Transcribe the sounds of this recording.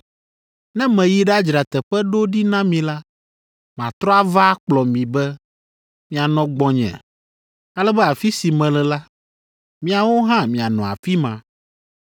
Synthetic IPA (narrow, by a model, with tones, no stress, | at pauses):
nɛ̃˦mɛ̃˨ji˦ɖa˦d͡ʒɾa˨t̪ɛ˨ɸɛ˦ɖo˦ɖi˦nã˦mĩ˨la˦ | mã˨t̪ɾɔ˦a˦va˦k͡plɔ˨mĩ˨bɛ˦ | mĩ˦a˨nɔ̃˨ɡ͡bɔ̃˨˦ɲɛ̰̃˨ | a˦lɛ˦bɛ˦a˨fi˦si˨mɛ̃˨lɛ˨la˦ | mĩ˦a˨wo˦ɦã˦mĩ˨a˨nɔ̃˨a̰˨fi˦mã˨